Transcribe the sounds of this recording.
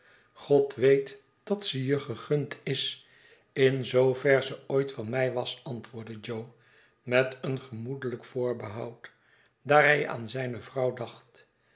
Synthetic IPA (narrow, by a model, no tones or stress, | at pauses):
χɔtʋejt | d̥ɑtsəjəχəχɵntɪs | ɪnzowvɛɹzəojtfɑnmɛjʋɑsɑntʋʊːɹdəd͡ʒow | mɛtənχəmudələkfʊːɹbəɦɑ̰wt | daːɹɦɛja̰ːnzɛjnəvrɑwdɑχt